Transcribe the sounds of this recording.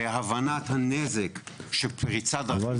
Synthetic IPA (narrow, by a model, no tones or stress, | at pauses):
eɦavanat̪hanezekʃepʰʁit͡sad̪a